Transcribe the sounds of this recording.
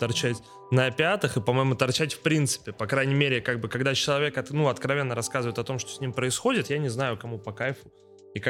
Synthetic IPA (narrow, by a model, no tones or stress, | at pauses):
t̪ɐrt͡ɕætʲ | nəɐpʲɪat̪ɨxɨpɐmo̞jmʊt̪ɐrt͡ɕætʲfpɾʲint̪sɨ̥pʲɪpɐkɾajnʲɪmʲeɾʲɪkaɡ̚bɨkɐɡd̪at͡ɕɪlˠɐvʲe̞kɐnuɐt̪kɾɐvʲe̞nːəɾɐskazɨvəjɪt̪ɐt̪o̞mʂt̪osʲnʲimpɾəɪsxo̞dʲɪt̪janʲɪznajʊkɐmupɐkajfʊ | ik